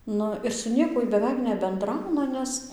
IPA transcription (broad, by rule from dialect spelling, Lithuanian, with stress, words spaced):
ˈnʊ ɪr sʊ ˈnʲiɛkuɔj bʲɛˈʋʲɛɪk nʲɛbʲɛnˈdrɐʊnɐ ˈnʲɛs